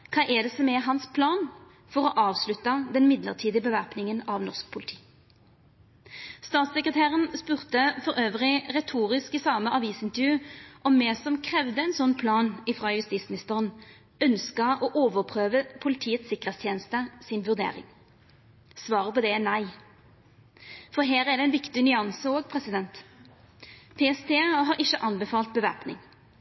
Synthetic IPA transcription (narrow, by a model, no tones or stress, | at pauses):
kʰɑːʔɛd̪ɛsɔmɛɦɑnspʰlɑːn | fɔʁɔʔɑːʋslʉt̪ːɑd̪ɛnmɪd̪lə̰ʁt̪ʰiːd̪ɪəbəʋæʁpnɪŋənɑʋnɔʁsk̚pʰʊlɪt̪ʰi̥ː | st̪ɑːt̪sɛkʁət̪ʰæːʁənspʉːʁt̪əfɔʁøːʋʁɪʁɛt̪ʰuːʁɪskɪsɑːməʔɑʋiːsɪnt̪əʁjʉːʔɔmːɛsɔmkʰʁɛʋd̪əɛɪnsɔnːpʰlɑːnɪfʁɑːjʉst̪iːt̪smɪnɪst̪əʁən | œnskəʔɔʔoːʋəʁpʰʁøːʋəpʰʊlɪt̪ʰiːət̪sɪkəʁeːt̪st̪ʰjeːnəst̪əsɪnʋʉʁd̪ḛːʁɪ̰ŋ | sʋɑːʁəpɔd̪ɛnæɪ | fɔʁɦæːʁæd̪ɛɛnʋɪkt̪ɪnʏɑnsəoːɡ̚pʰʁɛsɪd̪ɛnt̪ | pʰeːɛst̪ʰeːɦɑːɾɪçːəʔɑnbəfɑːlt̪̚bəʋæ̰ʁpnɪ̰ŋ